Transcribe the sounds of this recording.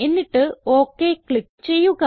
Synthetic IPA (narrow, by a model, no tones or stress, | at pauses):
e̞nːiʈːɨo̞ːkːekɭikːɨt͡ɕe̞jːuɣɐ